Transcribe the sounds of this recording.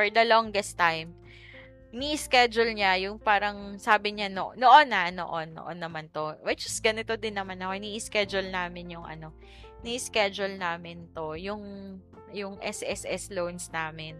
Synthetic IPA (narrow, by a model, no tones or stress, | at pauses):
fɔɹd̪ɐloŋɡɛst̪ajm | niʔɪskɛd͡ʒʊlɲajʊŋpaːɾɐŋsaːbɪɲano̰noʔonɐno̰ʔonːo̰ʔo̰nːɐmant̪o̞wɐd͡ʒɐst̪̚ɡɐnɪt̪o̞d̪ɪnːɐmanɐkoɪniʔiskɛd͡ʒʊlnaːmɪnjʊŋʔɐ̰no̞ | niʔiskɛd͡ʒʊlnaːmɪnt̪o̞jʊŋ | jʊŋʔɛsʔɛsʔɛslownsnaːmɪn